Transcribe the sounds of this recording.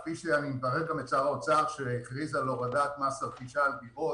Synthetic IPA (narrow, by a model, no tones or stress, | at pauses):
piʃeanimbaʁeʁamet͡saʁaot͡saʁʃeeχʁizaloʁadat̪masabχiʃaːlbiʔo